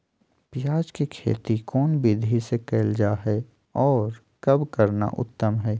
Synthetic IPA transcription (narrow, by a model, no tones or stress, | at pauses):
pjaːd͡ʒkikʰḛːt̪ikɔːnbid̪ʱisekeːld͡ʒaːɦɛ | ɔːɾ | kɐbkəɾna̰ʔʊ̰t̪ːəmɦɛː